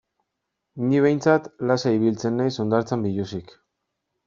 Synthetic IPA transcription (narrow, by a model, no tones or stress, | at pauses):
niβe̞jnt͡sat̪lasaiβilt͡se̞nːajso̞nd̪aɾt͡sambiʎusik